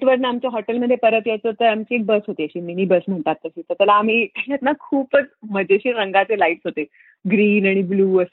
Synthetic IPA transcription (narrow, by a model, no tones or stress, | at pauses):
ʈʋəɾnəamt͡ɕjaɦɔʈəlməd̪ʱːjepəɾət̪jat͡sət̪əɾamt͡ɕiːek̚bəsɦot̪iːəɕiːmiñiːbəsm̤əɳt̪at̪ːəɕiːt̪əɾt̪əlaːm̤iːt̪aljat̪nakʰuːpət͡sm̤əd͡ʑeɕiːɾəŋɡat͡selaiʈsɦot̪e | ɡɾiːnaɽ̃ibluːəs